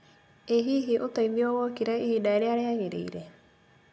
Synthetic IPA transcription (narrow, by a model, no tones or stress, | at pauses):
eɦiːɦeʔotaiðiɔɣɔkiɾɛihidaeɾeaɾeaɣeɾḛḭɾɛ